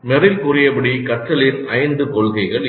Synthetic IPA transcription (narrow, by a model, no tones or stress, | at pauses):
mɛɾɪlkʊrɪjɐpɐɽikɐʈːɐɭɪnɐɪnd̪ɯkɔɭɣɐɪɣɐɭ